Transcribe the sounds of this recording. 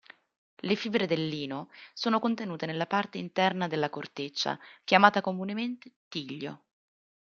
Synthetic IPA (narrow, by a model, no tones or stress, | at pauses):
lefibɾed̪elːiːnosoːnokont̪enuːt̪enelːapart̪eint̪ɛrnad̪elːakort̪et͡ʃːa̰kjamaːt̪akomunement̪e̥t̪iʎːo̰